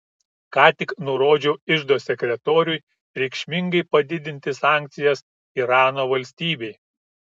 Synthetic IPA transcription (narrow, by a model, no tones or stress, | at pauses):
kɑːt̪ʲɪknʊɾoːd͡ʒʲɛʊɪʒd̪oːsʲɛkʲɾʲɛt̪oːɾʲʊj | ɾʲɛɪkʃʲmʲɪŋɡɐɪpɐd̪ʲɪd̪ʲɪnʲt̪ʲɪsɑːˑŋʲkʲt̪sʲɪjɛs | iɾɑːnoːʋɐlʲsʲt̪ʲiːbʲɛɪ